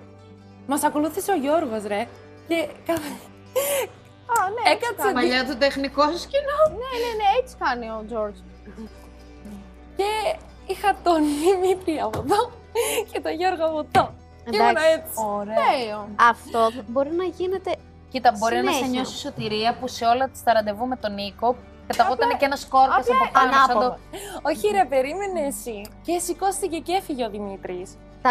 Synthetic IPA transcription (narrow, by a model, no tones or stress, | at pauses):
mɐsɐko̞luθiseoʝo̞ɾɣo̞sɾe | cekɐ | ɐneekɐsemɐʎɐt̪ut̪exnikoscinoneneneet͡si̥fɐnio̞d͡zo̞ɾd͡z | ce | ixɐt̪onimit̪ɾiɐːpoðo | cet̪oʝoɾɣoɐpot̪o | ed̪nɐei̥oɾeeoɐft̪o̞bo̞ɾinɐʝine̞t̪e̞ | cit̪ɐbo̞ɾinɐseɲo̞siso̞t̪iɾiɐpuseo̞lɐt̪i̥st̪ɐɾɐnd̪e̞vume̞t̪o̞niko̞ | kɐt̪ɐɣot̪ɐneceenɐsko̞ɾɐsɐpoxɐnnɐsɐd̪ooçiɾɐpe̞ɾimeneːsicesiko̞st̪ice̞cefiʝeoðimit̪ɾis | t̪ɐ